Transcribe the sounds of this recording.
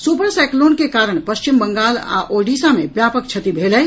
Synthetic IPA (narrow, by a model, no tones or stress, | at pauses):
supəɾsɛkloːnkekaːɾəɽ̃pəst͡ʃimbəŋɡaːla̰ːʔoɖiːsamebjaːpək̚t͡ʃʰɐt̪ibʱelɛ